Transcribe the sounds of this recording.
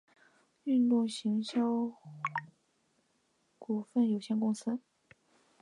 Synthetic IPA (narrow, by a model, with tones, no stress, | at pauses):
y˥˧nt̪ʊ˥˩ŋɕi˧˥ŋɕjɑ˥ʊ | ku˨˩fə˥˩njo˨˩ʊɕjɛ˥˧nkʊ˥ŋsɹ̩˥